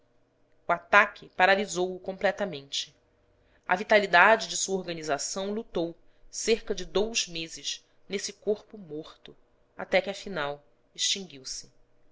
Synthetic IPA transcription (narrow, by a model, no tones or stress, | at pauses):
uat̪akʰʲɪpaɾalizowʊkõmplɛt̪ɐmẽnt͡ʃɪ̥ | ɐ̰vit̪alid̪ad͡ʒɪd͡ʒɪsuɐoɾɡɐnizasɐ̃w̃lut̪ow | seɾkɐd͡ʒɪd̪owzmezɪʃ | nesɪkoɾpʊmoχt̪ʊ | a̰t̪ɛkɪɐfinaw | iʃt͡ʃĩŋɡiwsɪ̥